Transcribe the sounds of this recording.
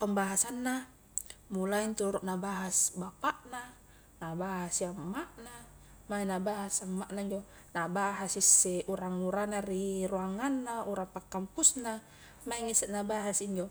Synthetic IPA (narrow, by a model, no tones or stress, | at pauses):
pəmbaɦasanːa | mulaint̪uɾuʔnabaɦasbapaʔna | nabaɦasiamːaʔna | mainabaɦasamːaʔnaiɲd͡ʒo | nabaɦasisːeʔuɾaŋuɾanariruaŋanːauɾaŋpakːampusna | maiŋisɛnabaɦasiɲd͡ʒo